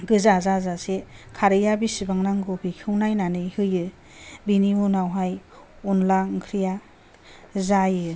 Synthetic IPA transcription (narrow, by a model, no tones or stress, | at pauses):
ɡɯzazazasekʰaɾɯjabisibaŋnaŋɡobikʰɯwnajnanɯjhɯjɯ | biniunawɦaj | unlaŋkʰɾija | zajɯ